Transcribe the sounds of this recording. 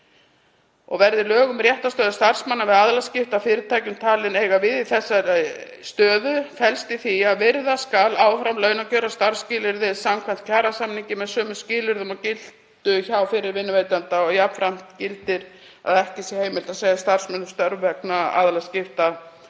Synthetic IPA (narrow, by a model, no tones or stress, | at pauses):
ɔ̰ɣvɛɾðɪlœːɣʏmrjɛht̪ast̪œːðʏst̪ar̥smanːavɪðaðlascɪft̪afɪːɾɪɾt̪ʰaːjcʏmt̪ʰaːlɪneːjɣavɪðiθɛsːaɾst̪œːðʏfɛlst̪ɪθiaðvɪɾðaskalaːwfɾamlœːɥnacœːɾast̪aɾ̥scɪːlɪɾðɪsamkʰan̥t̪̚cʰaːɾasamniɲcɪmɛðsœːmʏscɪːlɪɾðʏmawcɪlt̪ʏçawfɪɾɪɾvɪnːʏveːjt̪ant̪aɔɣjapn̥fɾam̥t̪cɪlt̪ɪɾ̥ | a̰ðɛhcɪsjɛheːjmɪlt̪aseːjast̪ar̥smɛnːʏ̥st̪œɾvːɛknaa̰ðlascɪft̪a